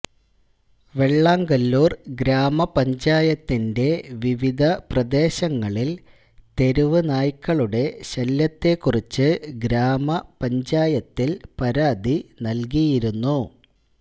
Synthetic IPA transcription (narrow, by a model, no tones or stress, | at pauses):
ʋe̞ɭːaːŋɡɐlːuːrɡɾaːmɐpɐɲd͡ʑaːjɐt̪ːinde̞ʋiʋid̪ʱɐprɐd̪e̞ːɕɐŋːɐɭil | t̪e̞ɾuʋɨnaːjkːɐɭuɽe̞ɕɐljɐt̪ːe̞kːurit͡ɕːɨɡɾaːmɐpɐɲd͡ʑaːjɐt̪ːilpɐɾaːd̪ʱinɐlk̬ijiɾunːu